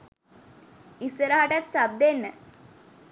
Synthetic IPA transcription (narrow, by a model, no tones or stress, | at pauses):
isəɾaɦaʈat̪sab̚d̪enːə